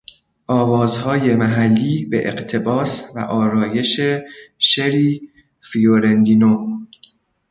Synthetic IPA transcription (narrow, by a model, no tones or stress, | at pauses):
ʔɒːvɒːzhɒːje̞mæɦælːiːbḛʔeɢt̪ʰe̞bɒːsvæ̰ʔɒːɾɒːje̞ʃeʃeɾiː | fioɾend̪inom